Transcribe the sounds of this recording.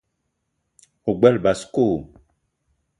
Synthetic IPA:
o˨ɡ͡bɛ˦lba˨sko˦˨

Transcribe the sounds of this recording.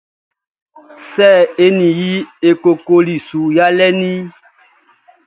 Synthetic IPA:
sɛ˦˨e˦nĩ˨ji˦e˨ko˨ko˦li˨su˨ja˦lɛ˦nĩ˦

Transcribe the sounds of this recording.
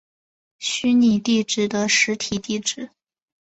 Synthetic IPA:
ɕy˥ni˨˩t̪i˥˧ʈ͡ʂɻ̩˥˩d̪ə˨ʂɻ̩˧˥t̪ʰi˨˩t̪i˥˧ʈ͡ʂɻ̩˥˩

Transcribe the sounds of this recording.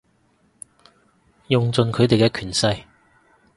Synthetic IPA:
jʊ˨ŋt͡sɵ˨nkʰɵ˨˧ɥt̪e˨jkɛ˧kʰyː˨˩nsɐ˧j

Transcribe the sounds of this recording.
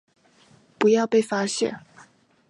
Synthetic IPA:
pu˧˥jɑ˥˧ʊpe˥˩ɪfa˥ɕjɛ̰˥˩n

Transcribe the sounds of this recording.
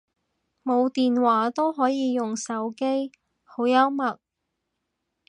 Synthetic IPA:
mo˨˧wt̪iː˨nwaː˨˥t̪o˥wɦɔː˨˥jiː˨˧jʊ˨ŋsɐ˨˥wke˥j | ho˨˥wjɐ˥wmɐ˨˩t̚

